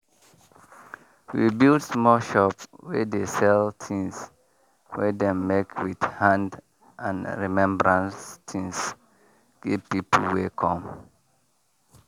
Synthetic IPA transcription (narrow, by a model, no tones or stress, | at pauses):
wibildsmɔlʃɔpwɛdesɛltʰĩŋs | wɛdɛ̃mːekʰwid̥hãnd | ʔãnɹimɛ̃mbəɹãnstʰĩŋs | ɡ̥ivpiplwɛkʰɔ̃m